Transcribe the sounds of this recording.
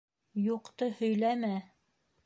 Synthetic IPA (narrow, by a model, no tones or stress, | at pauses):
juqt̪ɤhɵ̆jlæmæ